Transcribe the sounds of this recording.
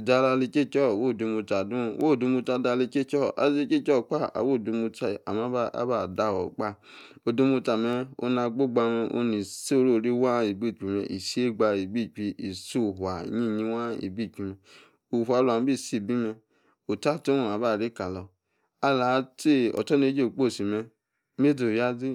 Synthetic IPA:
da˧la˧li˧t͡ʃe˦˨t͡ʃɔ˦˨wo˦˨du˧mu˧ta˨dũ˦˧wʔo˦˨du˧mu˧ta˧da˧le˧t͡ʃe˦t͡ʃɔ˦˨a̰˨˧ze˧˦t͡ʃe˦t͡ʃɔ˦˨k͡pa˦a̰˨wo˦˨du˧mu˧ta˧˨a̰˨mã˨˦ba̰˦ba˦˨da˧˨wɔ˨k͡pa˦˨ | o˧du˧mu˧ta˨mɛ˧o̰˦na˧ɡ͡bo˦ɡ͡ba˧mɛ˧ʔo̰˧nĩ˨so˦ɾo˦˨ɾi˦wa˦i˨bi˦˨k͡pi˧mɛ̰˧˨ʔi˨si˦e˦ɡ͡ba˧i˨bi˦˨k͡pi˧i˨su˦˨ɦwa˨ɲĩ˦˨ɲĩ˧wa˦ḭ˨bi˦˨k͡pi˧mɛ˧ | u˨hʷa˨˦lo˨a˨m˦bi˦˨si˦˨bi˦mɛ˧ | o˨ta˦˨to˦wo˨a˨ba˦˨ɾi˦ka˨lɔ˧ | a˧la˨˧˦te˦˨ɔ̰˨tɔ˦ne˧˦d͡ʒe˦o˨k͡po˦˨si˨mɛ˧ | me˦do˨ja˦zi˦

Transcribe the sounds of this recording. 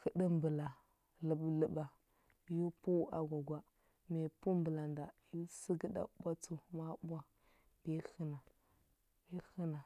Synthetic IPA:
xə˨də˦mbə˨la˨ | lə˨blə˨ba˨ | ju˦pu˦a̰˨ɡʷa˨ɡʷa˨ | me˨pu˦mbə˨la˨nda˨ji˦si˦ɡə˦da̰˨bʷa˦t͡su˦ma˦bʷa˦ | bi˦xə˦na˨ | i˦xə˦na˨

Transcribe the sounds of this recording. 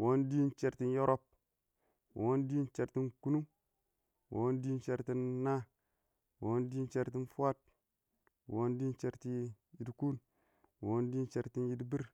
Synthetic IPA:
wo˦ndi˦nt͡ʃe˨ɾti˦njo˦ɾo˦p̚ | wo˨˦ndi˦nt͡ʃe˨ɾti˦nku˦nu˦ | wo̰˨˦ndi˦nt͡ʃe˨ɾti˦nːa˦ | wo˨˦ndi˦nt͡ʃe˨ɾti˦nfu˦a˦t̚ | wo˦ndi˦nt͡ʃe˨ɾti˦ji˨dku˦n | wo˨˦ndi˦nt͡ʃe˨ɾti˦nji˦dbi˦ɾ

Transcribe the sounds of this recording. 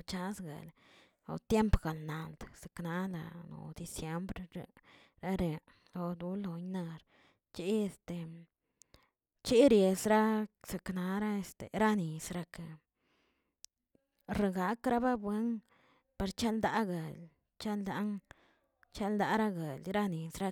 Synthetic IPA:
t͡ʃa˦sɡa̰˨l | o̰˨t̪je˦mpɡa˨lna˨ld̪sa˨kna˦la̰˨no̰˨d̪i˨sje˦mbɾɾe˨ɾa˦ɾe˨ | lo˨d̪u˧˦lo˨jna˧ɾ | t͡ʃi˦e˧st̪e˨ | t͡ʃi˦ɾje˨sɾa˦sa˨kna˧ɾa˦e˧st̪ḛ˨ɾa˦ni˨sɾa˧ke˨ | ɾa˧ɡa˨˦kɾa˦ba˦bwe˦n | pa˧ɾt͡ʃa˦ld̪a˦ɡa˨l | t͡ʃa˦ld̪a˦ŋ | t͡ʃa˦ld̪a˧˦ɾa˦ɡe˨lɾa˦ni˨sɾa˧

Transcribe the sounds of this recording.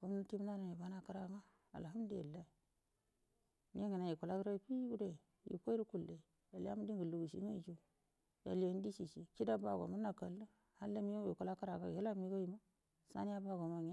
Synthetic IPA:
ɡu˨˦m˦nu˦ti˦m˦na˦na˨ni˨ba˨˦na˦ka˦ɾa˨ŋa˦ | a̰˨lɦa˦m˦de˦˨lːa˦i˨ | nḭ˦e˦ŋi˨na˨i˨ku˨la˦kɾa˦pi˦ɡu˦de˦˨ | jḭ˨ko˦i˦ɾu˦ku˨lːe˨ | ja˨la̰˦mu˦di˦ŋɡu˨lu˨ɡu˨sḭ˦ŋa˦˨d͡ʒo˦ | ja˨le˨˦n˦di˦si˨t͡ʃi˨ki˦da˦ba˦˨ɡo̰˨mu˦na˨ka˨lu˦ | ha˦lːa˦mi˦jo˦˨i˨ku˨la˦ka˦ɾa˨ɡa˦˨e˦la˦mi˦ɡo˦ji˨ma˦ | sa̰˦ni˦ja˦ba˦ɡo˨ma˨ŋi˦

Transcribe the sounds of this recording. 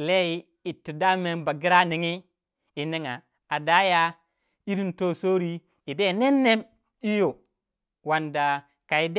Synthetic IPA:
le˦ji˦ | i˨tːi˨da˦me˨˦nba˨ɡi˦ɾa˦ni˨ŋi˦ | i˨ne˦ŋa˨ | a˨da˦ja˦ | i˦ɾi˦nto˦˨so˦ɾi˦ | i˨de˦˨ne˦nːe˦m | i˦jo˨ | wa˨nda˨ | ka˨i˨d

